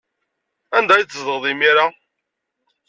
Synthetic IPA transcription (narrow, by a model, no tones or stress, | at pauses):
ænd̪æjt͡sːzəʁðˤimiɾa